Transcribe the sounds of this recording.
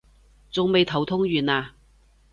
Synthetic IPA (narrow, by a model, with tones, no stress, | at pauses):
t͡sʊ˨ŋme˨jt̪ʰɐ˨˩wt̪ʰʊ˥ŋɥyː˨naː˧